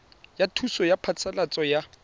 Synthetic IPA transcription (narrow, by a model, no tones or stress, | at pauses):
jatʰusɔjapʰat͡sʰalat͡sʼɔja